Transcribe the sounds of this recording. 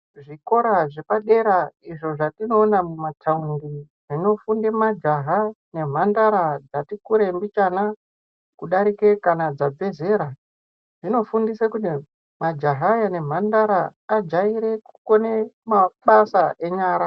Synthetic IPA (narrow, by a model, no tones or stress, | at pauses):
ʐiko̞ɾaʐepaɗe̞ɾaiʐo̞ʐatino̞ːnamumatʰaundi | ʐino̞fundemad͡ʒaɦa | ne̞m̤andaɾad͡zatikuɾe̞mbit͡ʃana | kuɗaɾike̞kanad͡zabʱe̞ze̞ɾa | ʐino̞fundisekuti | mad͡ʒaɦajane̞m̤andaɾaːd͡ʒaiɾe̞ku̥ko̞nemaɓasaʔe̞ɲaːɾa